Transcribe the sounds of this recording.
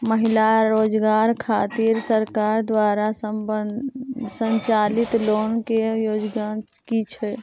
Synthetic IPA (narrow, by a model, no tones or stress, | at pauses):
məɦilaɾoːd͡ʒɡaːɾkʰaːt̪iɾsəɾkaːɾd̪waːɾasəb | səɲt͡ʃalit̪loːnkejoːd͡ʒɡa | kit͡ʃʰɛ